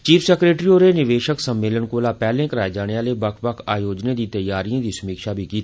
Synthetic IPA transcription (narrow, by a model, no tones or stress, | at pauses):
t͡ʃiːfsɛːkɾeːʈɾioːɾenɪʋeːʃəksəmːeːləɳkoːlaːpɛːlẽkəɾaːed͡ʒaːɽ̃eaːlebɐkʰbəkʰaːjoːd͡ʒned̪iːt̪əjaːɾijõd̪isəmiːkʃabʱikiːt̪ʰː